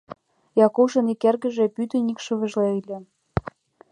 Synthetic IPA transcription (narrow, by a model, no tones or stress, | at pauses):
jɑkuʃɤ̆nikerɣə̆ʒĕpyt̪ə̆nʲikʃuβə̆ʒleilʲe